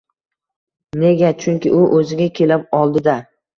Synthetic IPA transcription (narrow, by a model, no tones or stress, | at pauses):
neɡʲat͡ʃʰʊŋkʲɪ̰ʔʊʔɵzɪɡʲakʲʰe̞lɪp̚ɒlˠd̪ɪd̪a